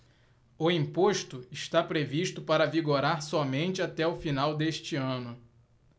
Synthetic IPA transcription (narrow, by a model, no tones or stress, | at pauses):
ʊĩpoʃt̪ʊɪʃt̪apɾeviʃt̪ʊpaɾɐviɡoɾaɾsɔmẽnt͡ʃɪat̪ɛʊfinawd̪eʃt͡ʃɪɐ̃nʊ